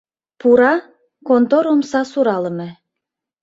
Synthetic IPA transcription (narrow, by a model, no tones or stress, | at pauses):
puɾɑ | kont̪oɾomsɑsuɾɑləmĕ